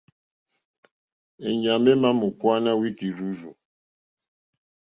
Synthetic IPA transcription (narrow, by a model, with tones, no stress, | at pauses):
e˨ɲa˨mbe˦ma˦mʊ˨kwa˦na˦wi˦ki˨ɾu˦vo˨